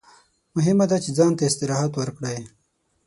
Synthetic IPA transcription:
mʊɦɪmad̪at͡ʃed͡zɑːnt̪aɪst̪ɪɾɑːɦat̪wəɾkɽaj

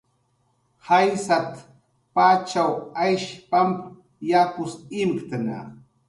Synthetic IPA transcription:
hajsat̪ | pat͡ʃawajʃpamp | jakʊsɪmkt̪ana̰

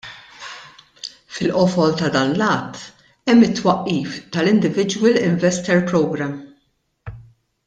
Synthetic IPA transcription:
fɪlʔɔfɔlt̪ɐd̪ɐːnlɐːt̪ː | ɛmːɪt̪ːwɐʔːiːft̪ɐlɪnd̪ɪvɪd͡ʒwɪlɪɱvɛst̪ɛɾpɾɔwɡɾɐm

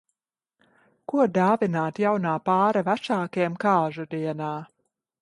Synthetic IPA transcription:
kuɔd̪aːvinaːt̪jawnaːpaːɾavæʃaːkiɛmkaːʒud̪iɛnaː

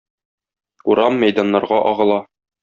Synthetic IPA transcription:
uɾɑmːæjd̪ɑnːɑɾʁɑʔɒʁɤ̆lˠɑ

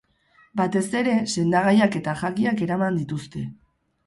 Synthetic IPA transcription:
bat̪e̞se̞ɾe̞se̞nd̪aɣ̞ajake̞t̪aʝakiake̞ɾamand̪it̪ust̪e̞

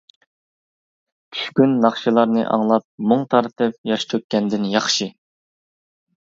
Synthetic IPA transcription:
t͡ʃʲʰy̥ʃkʲynːɑχʃilˠɑɾnɨ̰ʔɑ̰ŋlˠɑp̚moŋt̪ʰɑɾt̪ʰɨp̚jɑʃt̪ʰøk̪̚ʲkʲːɛnd̪ɪnjɑχʃi

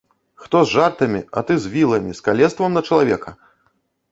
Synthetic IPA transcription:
xt̪ɔzʐart̪ɐmʲiɐ̰t̪ɨzʲvʲilˠɐmʲiskalʲɛst̪vɐmnɐt͡ʂɐlˠavʲɛkɐ

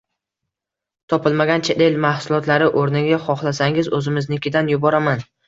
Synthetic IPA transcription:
t̪ʰɒpʰɪlˠmaɡʲant͡ʃʰet̪ʰelmahsʊlˠɒt̪laɾɪʔoɾnɪɡʲaχɒχlˠasaŋɪzɵzɪmɪznɪkʲɪd̪anjʊbɒɾaman

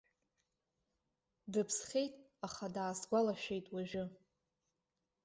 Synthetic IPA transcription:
dɨpʰsχʲe̞jtʼaχadaːsɡʷalaʃᶣe̞jtʼwaʒᶣɪ

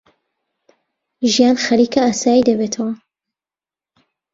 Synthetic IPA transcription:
ʒijaːnxɐɾiːkɐaːsaːjid̪ɐbeːt̪ʰɐwɐ

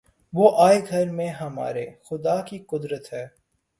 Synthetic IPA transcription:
ʋoːʔaːeɡʱɐɾmẽɦɐma̰ːɾexʊd̪aːkiqʊd̪ɾət̪ɦɛː

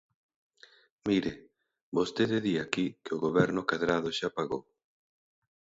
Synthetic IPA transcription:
miɾɪ | bost̪eðɪðiakikeoɣoβɛɾnʊkaðɾaðʊʃapaɣo̰w

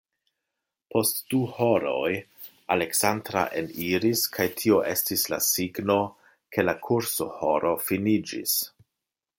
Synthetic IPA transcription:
pʰo̞std̥uho̞ɾoj | ale̞ksandɾa̰ʔeniɾiskʰajtʰio̞ʔe̞stisla̰siɡno̞ | kʰe̞lakʰuɾso̞ho̞ɾo̞finid͡ʒḭs

